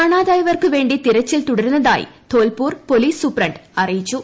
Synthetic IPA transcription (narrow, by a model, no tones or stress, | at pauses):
kɐɳaːðaːjɐʋɐrkɯʋe̞ːɳɖit̪iɾɐt͡ɕːilt̪ʊɽɐɾɯnːɐða̰ːj̰t̪oːlpuːrpoliːsːupɾɐɳɖɐrijit͡ʃːu